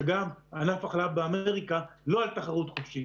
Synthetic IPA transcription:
eɡamanafaχlavbeame̞ʁikalo̞alt̪aχaʁut̪χofʃi

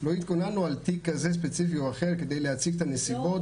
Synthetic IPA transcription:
lo̞it̪ko̞nanualt̪ikːazes̬pet͡sifioaχeʁked̪ejleat͡siɡ̚t̪anesibo̞

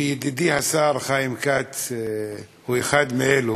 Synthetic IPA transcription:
jed̪id̪ihasaɾχajimkat | huexad̪meelu

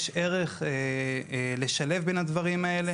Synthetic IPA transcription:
ʃe̞ʁe̞χe | le̞ʃale̞vbenhad̪vaʁimae̞le̞

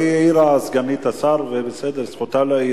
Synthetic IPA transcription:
ieiɾasɡanit̪asaɾvebesed̪eɾsχot̪alai

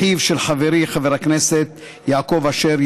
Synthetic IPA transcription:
ivʃelħaveɾiχaveɾakneset̪̚ | jaːkovaʃeɾ

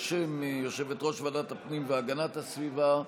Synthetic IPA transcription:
ʃemjo̞ʃe̞vet̪ʁo̞ʃvadat̪hapnimveaɡanathasviva

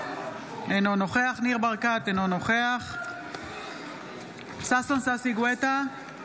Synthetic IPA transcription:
enonoχeaχniʁbaʁkat̪enonoχeaχ | sasonsasiɡwet̪a

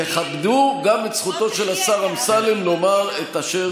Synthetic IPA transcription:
eχabd̪uɡamet͡sχut̪o̞ʃe̞lasaʁamsalimlo̞maʁet̪aʃe

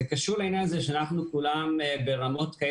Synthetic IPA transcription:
ekaʃuʁlainjanazeʃeanaχnukulambe̞ʁamo̞tkae

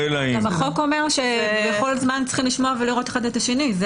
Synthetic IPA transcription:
elaiamaχo̞ko̞me̞ʁʃebeχo̞lzmant͡sχimliʃmoaveliʁo̞tḁχadetaʃe̞niz

